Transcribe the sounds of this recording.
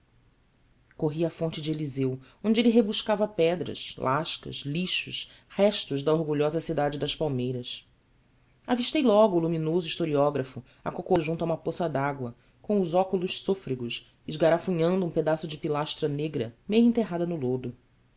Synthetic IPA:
koɦiɐafõnt͡ʃɪd͡ʒelizew | õd͡ʒɪelɪɦebuʃkavɐpɛd̪ɾɐ̰ʃlʔaʃkɐ̰ʃliʃʊʃ | hɛʃt̪ʊʒd̪ɐoɾɡuʎɔzɐsid̪ad͡ʒɪd̪ɐʃpawmejɾɐs | aviʃt̪ejlɔɡʊːluminozʊiʃt̪oɾiɔɡɾɐfʊ | akokoʒũnt̪ʊaũmɐposɐd̪aɡwɐ | kõʊzɔkulʊʃsofɾiɡʊʃ | ɪʒɡaɾafuɲɐ̃nd̪ʊũped̪asʊd͡ʒɪpilaʃt̪ɾɐneɡɾɐmejʊẽt̪eɦad̪ɐnʊlod̪ʊ

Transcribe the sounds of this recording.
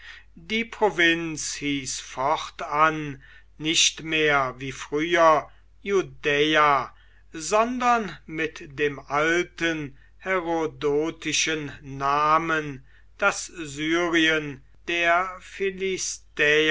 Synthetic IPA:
diːpʁ̥ovɪnshiːsfɔχtanː | ɪɕtmeːɐviːfʁ̥yːɐ | judɛa | zɔndɐnmɪtdeːmʔaltən | hɛʁodoːtʰɪʃənːaːmən | d̥aszyːʁiən | d̥eːɐfilɪstɛː

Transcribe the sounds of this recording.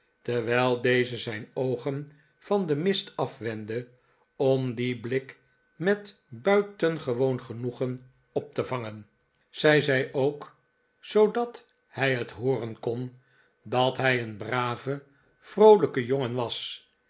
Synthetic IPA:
təɹʋɛjlˠdejzəzɛjnowχən | v̥ɑndəmɪstɑfʋɛndə | ɔmdiblɪk | mɛt | bœɥtənχəʋownχənuχən | ɔp̚təvɑŋən | z̥ɛjzɛjʔowk | sowdɑt | hɛjɦətɦʊːrənkɔn | dɑtɦɛjənbraːvə | v̥rowləkəjoŋənʋɑs

